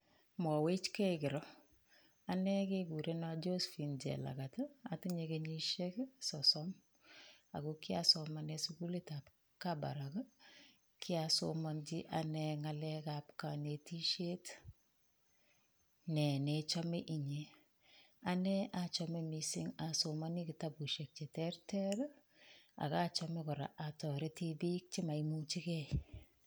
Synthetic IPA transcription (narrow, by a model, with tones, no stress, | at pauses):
mɔ˨we˦t͡ʃke˦ikɪ˨ɾɔ˦ | a˨nɛ˦ke˦ɡu˨ɾe˦na˨d͡ʒo˦sfi˨nd͡ʒɛ̰˨la̰˨ka˨taa˨ti˦ɲekeɲi˦ʃe˦ksɔsɔm | a̰˨ɡuki˦a˦sɔmanɛsuɡu˦le˦ta˨p | ka˦ba̰˨ɾak | kʰi˦aso̰˦mɔ˦nd͡ʒi˦ʔa˨nɛ˧ŋalɛkap̚kane˨ti˦ʃe˦t | nɛ˨net͡ʃɔ˦me˦ʔi˨ɲe˨ | a˨nɛat͡ʃɔmemisi˦ŋa˨soma˦ni˦kɪ˨ta˦bu˨ʃe˨k̚t͡ʃe˨tɛ˦rtɛɾ | a̰˨ka˦t͡ʃɔmekɔ˨ɾa̰˨ʔa˨tɔ˨ɾe˦ti˦bi˦k̚t͡ʃi˦ma˨imu˦t͡ʃi˦kɛ˦